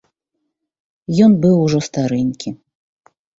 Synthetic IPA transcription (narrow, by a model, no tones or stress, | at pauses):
jɔnbɨwuʐɔst̪aɾɨnʲkʲi